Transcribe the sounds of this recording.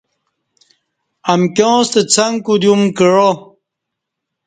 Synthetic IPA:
ɐmkjõːst̪et͡sʰaŋkud̪jumkəɻo

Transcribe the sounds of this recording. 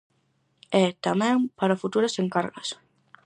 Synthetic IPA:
ɛt̪amɛ̃ŋpaɾɐfut̪uɾɐseŋkaɾɣɐs

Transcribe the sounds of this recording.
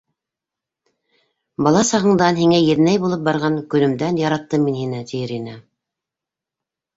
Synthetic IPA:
bɑlˠɑsɑʁɤ̆ɴd̪ɑnhiŋæjɘ̆ðnæjbulˠɤp̚bɑɾʁɑŋkɵ̆lɵ̆md̪ænjɑɾɑt̪ːɤmːinhinæt̪ʲiɘɾinɑ

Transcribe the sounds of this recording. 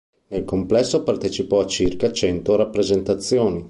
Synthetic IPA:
nelkomplɛsːopart̪et͡ʃipɔat͡ʃirkat͡ʃɛnt̪oɾapːɾezent̪at̪sːjoːni

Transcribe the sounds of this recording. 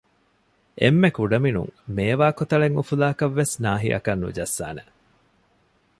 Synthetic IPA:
ʔḛmːekuɖɐminṵŋmeːʋaːkot̪ɐɭeŋufulaːkɐʋːesnaːɦiʔɐ̰kɐnːṵd͡ʒɐsːa̰ːne

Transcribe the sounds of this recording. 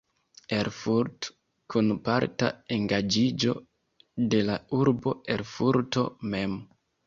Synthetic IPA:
eɾfuɾt | kunpaɾta̰eŋɡad͡ʒid͡ʒo̞ | de̞lauɾbo̞e̞ɾfuɾto̞̰me̞m

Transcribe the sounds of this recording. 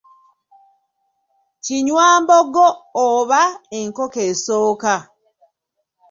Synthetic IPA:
ciɲwaːmbɔɡɔːβaeŋkokesoːka

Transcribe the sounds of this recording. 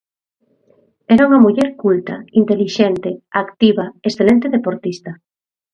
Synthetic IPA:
ɛɾauŋɐmuʎɛɾkult̪ɐ̰int̪eliʃent̪eakt̪iβɐesθelent̪eðepoɾt̪ist̪ɐ

